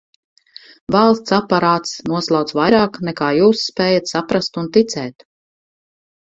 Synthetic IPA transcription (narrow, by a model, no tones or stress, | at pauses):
valˠst̪sapːaɾaːt̪snuɔslˠawt̪svajɾaːknɛkaːjuːsːpɛːjat̪sapɾast̪unt̪it̪sɛːt̪